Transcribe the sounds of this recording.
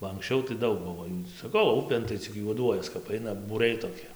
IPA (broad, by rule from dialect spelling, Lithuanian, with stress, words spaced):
bɐ ɐŋksʲˈt͡ʃʲɛʊ tɐɪ ˈdɐʊk ˈbʊʋoː juː sɐˈkɐʊ ˈʊpʲeːn tɐɪ t͡sʲɪk juɔˈduɔjɛs kɐp ˈɐɪnɐ buːˈrʲɛɪ toːˈkʲɪ